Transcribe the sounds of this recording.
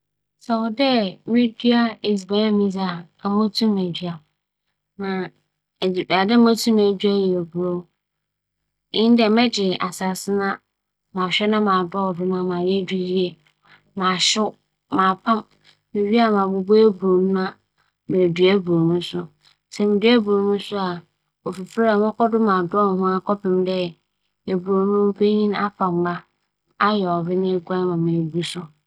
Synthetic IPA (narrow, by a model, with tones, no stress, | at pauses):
sɛ˨ɔ˨dɛ˦mĩ˦di˦a˦e˨zi˨ba˨˦ã˦mĩ˦za˨ | a˨mõ˦tʰũ˦mɛ˨d͡ʑi˦a˨ | nã˨ | a˨dɪ˦mõ˦tʰũ˦mæ̃˨dᶣɥa˦jɛ˨o˨bu˨ɾo˦ | ɪ̃˦n˦dɛ˨mɛ̃˦d͡ʑɪ˨ʔa˨sa˨sɪ˦nã˦ | mã˨ɕᶣɛ˦nã˦mãː˨dɔ˦ɔ˨dʊ˦mã˦mãː˨jɛ˦di˦ji˦e˨ | mãː˨ɕʊ˦ | mãː˨pʰã˦m | mɪ̃˨ɥi˦a˦mã˨bʊ˦bo˦e˦bu˨o˨nũ˦a˦ | mɛ̃˨du˨æ˦bɾo˨nũ˦sʊ˦ | sɛ˨mɪ̃˨du˦æ˦bu˨o˨nũ˦sʊ˦a˨ | o˨fi˨fɾa˦˨mʊ̃˦kɔ˦dʊ˦mã˨dɔ˦n˨ɦʊ̃˦a˦kʰɔ˦pɪ̃˨mdɛ˦˨ | e˨bu˨ɾo˨nũ˦pʰe˦ɲĩ˦na˦fa˨m˨ɡ͡ba˦ | a˦jɛ˨ɔ˨bɪ˦nɪ̃˦e˦ɡʷa˦mã˨mẽ˨bu˦sʊ˦